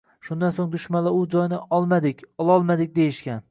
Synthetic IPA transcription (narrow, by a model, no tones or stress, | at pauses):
ʃʊnd̪ansoŋd̪ʊʃmanlaʊd͡ʒɒjnɪʔɒlˠmad̪ɪkʲɒlˠɒlˠmad̪ɪk̚ʲd̪e̞jɪʃkʲan